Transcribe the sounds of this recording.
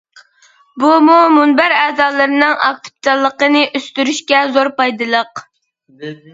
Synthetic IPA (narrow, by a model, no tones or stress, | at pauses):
bumumunbæɾɛːzɑːlˠɨɾɨnɨŋɑ̰k̚t̪ʰɨ̥p̚t͡ʃʰɑlˠːəqənɨʔøst̪yɾyʃkʲɛzoɾpɑjd̪ɨlˠəq